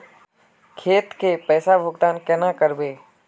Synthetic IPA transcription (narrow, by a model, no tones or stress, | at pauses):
kʰeːt̪kepɛːsabʱʊɡt̪aːnkɛnakəɾbeː